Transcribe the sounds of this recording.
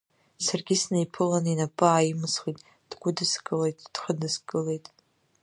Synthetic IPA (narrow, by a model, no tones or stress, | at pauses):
sarɡʲɪsnajpʰɨlaninapʼɨaimɨsχitʼ | d̥ɡʷʊdɨskʼɨle̞jtʼd̥χədɨskʼɨle̞jtʼ